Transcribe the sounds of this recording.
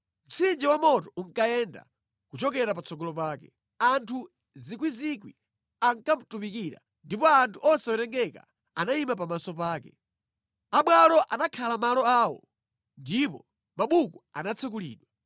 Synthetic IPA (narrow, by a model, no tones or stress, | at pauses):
m̩t͡sʰind͡ʒiwamɔtɔuŋkaɛnda̰ | kut͡ʃɔkɛɾapat͡sʰɔɡɔlɔp̬aːkɛ | antʰu | zik̬wizikwi | aŋkam̩tumik̬iɾa̰ | ndipɔantʰuʔɔsɛɔɾɛŋɡɛka̰ | anaimap̬amasɔpaːkɛ | aɓwalɔʔanakʰalamalɔaːwɔ̰ | ndipɔ | maɓukuanat͡sʰɛk̬ulḭːɗwa